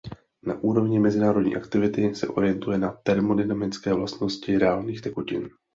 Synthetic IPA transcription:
naʔuːɾo̞vɲɪmɛzɪnaːɾo̞dɲḭːʔakt̪ɪvɪt̪ɪsɛ̰ʔo̞̰ɾɪjɛnt̪ujɛnat̪ɛɾmo̞dɪnamɪt͡skɛːvlast̪no̞scɪɾɛaːlniːxt̪ɛkucɪ̰n

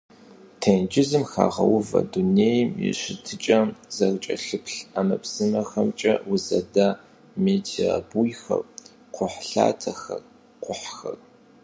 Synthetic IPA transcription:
tʰend͡ʒɪzɨmxaːʁɐ̰wʊvɐ̰duneːjmjɪ̰ɕɪtʰɨt͡ʃʼɐzɐrt͡ʃʼɐɬɨpʰɬamɐpʰsɨmɐxɐmt͡ʃʼɐwʊzɐdaː | meːtʰiabujxɐr | qʷʰʊħɬa̰ːtʰɐxɐr | qʷʊħxɐr

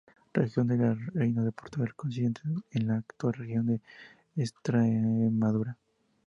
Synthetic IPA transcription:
rexjo̞nd̪elarejnaðepoɾt̪oɣalkons̬iðent̪ʰeenlaːkt̪walrexjo̞nd̪eː | st̪ɾemaðuɾa

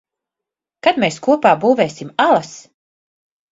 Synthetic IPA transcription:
kad̪meːskuɔpaːbuːveːsimalˠas

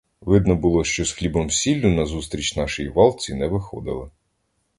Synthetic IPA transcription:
ʋɪd̪nɔbʊlˠɔʃt͡ʃɔsxlʲibɔmsʲilʲːʊnɐzust̪ɾʲit͡ʃnɑʃɪjiʋɑlˠt͡sʲinɛʋɪxɔd̪ɪ̰lˠɪ

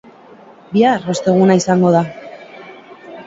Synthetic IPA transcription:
biaro̞st̪e̞ɣ̞unaisaŋɡo̞ð̞a

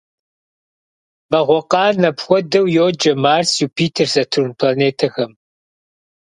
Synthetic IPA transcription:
bɐʁʷɔqɑːnɐpxʷɔdɐwjoːd͡ʒɐmaːrsjuːpʰiːtʰɐrzɐtʰunpʰlaneːtʰɐxɐm

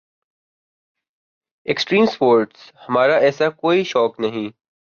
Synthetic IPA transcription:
eksʈɾĩːmspoːɾʈshɐmaːɾaʔɛːsakoːiʃɔːknɐɦĩ

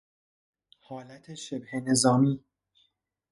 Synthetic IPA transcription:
hɒːlæt̪ʰeʃebhene̞zɒːmiː

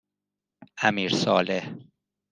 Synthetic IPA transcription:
æmiːɾsɒːleh

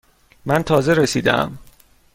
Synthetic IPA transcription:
mænt̪ʰɒːze̞ɾesiːd̪æ̰m

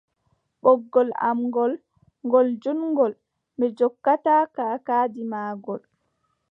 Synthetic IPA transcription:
ɓɔɡːɔla̰mɡɔl | ŋɡɔld͡ʒunŋɡɔl | mɛd͡ʒɔkːataːkaːkaːdimaːɡɔl

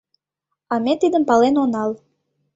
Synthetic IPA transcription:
ɑmet̪id̪ə̆mpɑlenonɑl

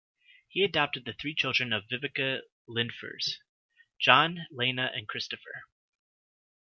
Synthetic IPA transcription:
hiɨdɑp̚tɨd̪̚ðɨθɹit͡ʃʰɪlˠdɹɨ̃nʌvɪvɨkɨ | lɪ̃nfə̰˞z̥ | d̥ʒ̥ɑ̃nlẽɪ̃nɨʔɨ̰̃nkʰɹ̥ɪstɨfə̰˞

